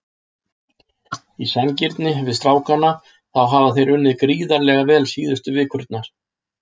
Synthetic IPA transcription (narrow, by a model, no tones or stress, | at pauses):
isɛnciɾt̪nɪvɪðst̪ɾaːwkanːa | θawɦaːvaθejɾʏnːɪðkɾiːðaɾlɛɣavɛːlsiːðʏst̪ʏvɪːkʰʏɾt̪̚naɾ̥